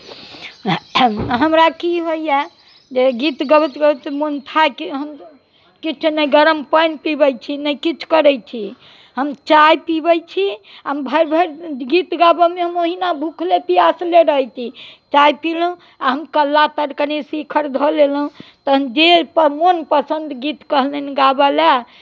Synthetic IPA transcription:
ɦəmɾakiɦojɛ | d͡ʒeɡit̪ɡəbət̪ɡət̪mont̪ʰajkiɦəm | kit͡ʃʰunəjɡəɾəmpəjnpibəjt͡ʃʰinəjkit͡ʃʰu̥kəɾɛjt͡ʃʰi | ɦəmt͡ʃajpibəjt͡ʃʰiəmbʱəɾbʱəɾɡit̪ɡabəmeɦəmoɦinabʱukʰlepiasleɾəɦət͡ʃʰit͡ʃajpilũ | aɦəmkəlːat̪əɾkənesikʰəɾd̪ʱolelɦũt̪ɔɦmd͡ʒepəmonpəsənd̪ɡit̪kəɦləniɡabale

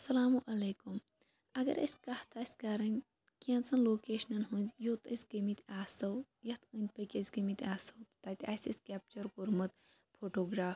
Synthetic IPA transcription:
ɐsɐlaːmuʔɐleːkum | ɐɡɐ̰ɾɐ̰sʲkɐht̪ɐsʲkɐɾɐnʲ | kiãnt͡sʰɐnloːkeːʃnɐnɦund̪ʲjoːt̪ɐsʲɡɐmit̪ʲaːsɐw | jɐt̪ɨnʲd̪̚ʲpɐkʲɐsʲɡɐmit̪ʲaːsɐwt̪t̪ɐːt̪ʲaːsʲɐskʲap̚t͡ʃɐɾkoɾmɨt̪ | pʰoːʈoːɡɾaːf

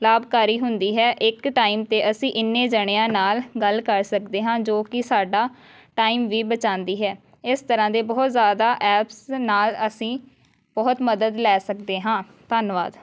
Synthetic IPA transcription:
laːbkaːɾiːɦʊnd̪iːɦɛːʔɪkʈaːiːmt̪eːʔəsĩːʔɪnːeːd͡ʒəɽ̃eãːnaːlɡəlkəɾsəkd̪eːɦãːd͡ʒoːkɪsaːɖaː | ʈaːiːmʋiːbət͡ʃãːnd̪iːɦɛː | ɪst̪əɾãːd̪eːbɔːt̪zjaːd̪aːʔɛːpsnaːləsĩː | bɔːt̪məd̪əd̪lɛːsəkd̪eːɦãː | t̪aːnʋa̰ːd̪

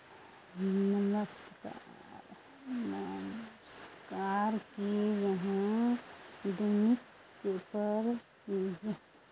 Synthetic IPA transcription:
nəməska̰ | ɾ | nəmskaːɾkijəɦã | d̪unɪkː | epəɾ | jə

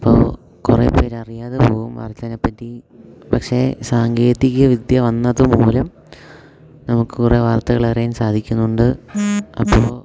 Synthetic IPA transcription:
ipːo̰ː | kureːpːeːɾɐrijaːðepoːɣumʋa̰ːrt̪ːɐðinepːɐtːi | pɐkʂe̞saːŋɡeːðiɣɐʋid̪jɐʋɐnːɐðɨmoːlɐm | nɐmukːɨkureʋaːrt̪ɐɣɐɭɐrijaːnsaːd̪ʱikʲːunːuɳɖɨɐpːoː

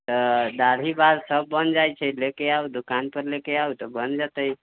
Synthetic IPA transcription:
t̪əd̪aɾ̤ʱibad̪səbːənd͡ʒajt͡ʃʰəlekeaud̪ukanpəɾlekeaut̪əbənd͡ʒat̪əj

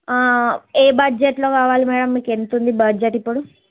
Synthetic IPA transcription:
eːbɐd͡ʒeʈlo̞ːkaːʋaːlimɛːɽɐmːiːke̞nt̪und̪ibɐd͡ʒeʈipːuɽu

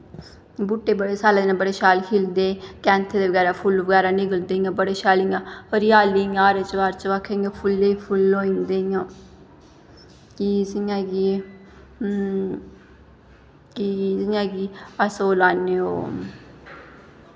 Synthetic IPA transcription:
buʈːeːbəɽeːsaːleːd̪eːnãːbəɽeːʃaːlkʰiːld̪eːkɛ̃ːnt̪ʰeːd̪eːʋəɡɛːɾaːpʰʊlʋəɡɛːɾaːniɡəld̪eːiãːbəɽeːʃaːliŋaəɾɪjaːliːŋaːɾeːt͡ʃʋaːɾt͡ʃʋaːkʰːeŋaːpʰʊlːeːipʰʊloːĩnd̪ẽːãː | kisiãːɡi | kiziŋãːɡiːəsoːlaːneːo̰ː

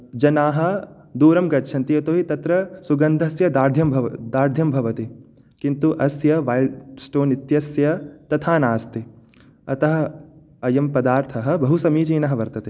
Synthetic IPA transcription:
d͡ʒɐnaːɦɐ̆ | d̪uːɾɐmɡɐt̪ːʃʰɐnt̪ijɐt̪oːɦit̪ɐt̪ɾɐsuɡɐnd̪ʱɐsjɐd̪aːɾd̪ʱjɐmbʱɐd̪aːɾd̪ʱjɐmbʱɐʋɐt̪i | kint̪uʔɐsjɐʋaːilɖsʈoːnit̪jɐsjɐt̪ɐt̪ʰaːnaːst̪i | ɐt̪ɐɦɐ̆ | ɐjɐmpɐd̪aːɾt̪ʰɐɦɐ̆bɐɦusɐmiːd͡ʒiːnɐɦɐʋɐɾt̪ɐt̪e

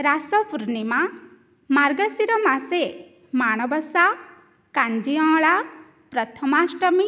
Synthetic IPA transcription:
ɾasɔpuɾnima | maɾɡɔsiɾɔmase | maɽ̃ɔbɔsa | kand͡ʒiɔ̃ɭa | pɾɔt̪ʰɔmasʈɔmi

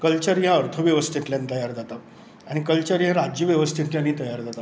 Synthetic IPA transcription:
kəlt͡ɕəɾjaəɾt̪ʰəʋjeʋəst̪ʰit̪ljant̪əjaɾd͡zat̪a | aɽ̃ikəlt͡ɕəɾjãɾad͡ʑjəʋjəʋəst̪ʰit̪ljaniːt̪əjaɾd͡zat̪a

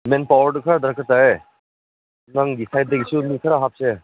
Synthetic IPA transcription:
menpawəɾɖɯkʰaɾad̪ɾkət̪ae | naŋɡisajt̚d̪ekisumikʰaɾaɦap̚se

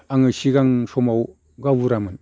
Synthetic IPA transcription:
aŋɯsiɡaŋsɔmaw | ɡabuɾamɯn

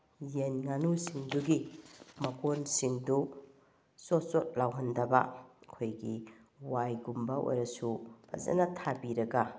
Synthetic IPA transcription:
jenŋanusiŋduɡimɐkonsiŋdu | sotsot̚lawɦɐndɐbɐkʰojɡi | wajɡumbɐʔo̰jɾɐsuɐ̰zḛnɐtʰabiɾɐɡɐ

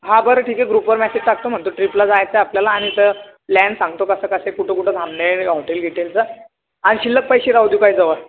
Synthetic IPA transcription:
ɦabəɾʈʰiːkeɡɾupʋəɾmɛsed͡ʑʈak̚t̪om̤əɳt̪uʈɾiplad͡zajt͡səapljalaːɽ̃it̪ə | lænsãŋɡ̚t̪okəsəkəsekuʈʰekuʈʰəd̪ʱamneɦɔʈelɡʱeʈelt͡sə | aniɕilːək̚pəjɕiːɾawd̪jukaɦiːd͡zəʋə

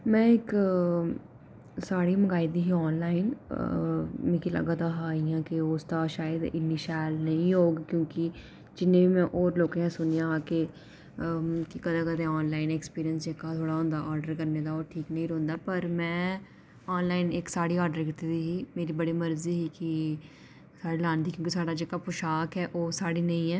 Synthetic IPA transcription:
mɛ̃ːɪk | saːɽimɐɡaːid̪iɦiɔːnlaːɪn | mɪ̃kilɐ̰ɡat̪aɦaɦiãːkioːst̪aʃaːjəd̪ɪ̰nːiʃaːlnɐɦĩɦoːɡkjõːki | d͡ʒɪnːẽbʱimɛ̃ʔɔːɾloːkẽãsʊnijãɦãːke | kikəd̪eːkəd̪ẽɔːnlaːɪneːkspiːɾijənsd͡ʒeːkat̪ʰoːɽaːɦõːnd̪aːʔɔːɾɖəɾkəɾneːd̪aːoːɾʈʰiːknəĩːɾoːnd̪aːpəɾmɛ̃ː | ɔːnlaːɪneːksaːɽiːɔːɾɖəɾkɪt̪et̪iːɦiːmeːɾiːbəɽiːməɾziːɦiːki | saːɽilaːnd̪iːkjõːkisaːɖaːd͡ʒeːkapʊʃaːkɦɛːʔoːsaːɽiːnəĩːɛː

